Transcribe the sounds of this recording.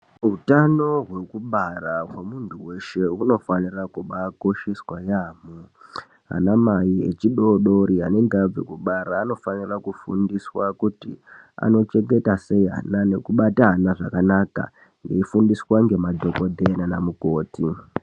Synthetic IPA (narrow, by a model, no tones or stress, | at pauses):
ɦutano̞ɦwe̞kuɓarawemuntʰuwe̞ʃe̞uno̞fanirakuɓako̞ʃiswajaːmu | ɦa̰namaiḛt͡ʃiɗoɗoɾia̰ne̞ŋɡab͡vḛkuɓaɾaːno̞fanirakufṵndiswakuti | a̰no̞t͡ʃe̞ŋɡe̞tase̞iɦa̰nane̞kuɓataɦanaʐa̰kanaka̰ | ŋɡeifundiswaŋɡemadʱo̞ko̞dʱenanamuko̞ːti